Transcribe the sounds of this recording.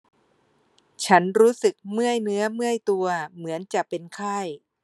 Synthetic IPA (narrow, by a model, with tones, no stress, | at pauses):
t͡ɕʰa˦˥nɾuː˦˥sɯ˨˩k̚mɯ˥˩əjnɯ˦˥ɐmɯ˥˩əjt̪u˧ɐmɯ˩˦ənt͡ɕa˨˩pe˧nkʰaː˥˩j